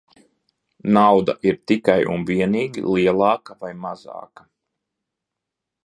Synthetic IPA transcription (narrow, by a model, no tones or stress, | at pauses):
nawd̪a̰ʔiɾt̪ikajṵnviɛniːɡʲḭlˠiɛlˠɑːkavajmazɑ̰ːkḁ